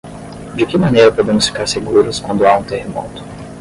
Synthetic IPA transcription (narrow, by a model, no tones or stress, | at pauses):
d͡ʒɪkɪmɐnejɾɐpod̪ẽmʊsfi̥kaɾseɡuɾʊskwɐ̃nd̪ʊaũt̪ehemɔ̰t̪ʊ̥